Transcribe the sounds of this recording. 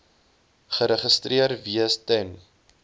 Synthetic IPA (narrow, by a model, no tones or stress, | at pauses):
χəɾəχəstriərviəstɛn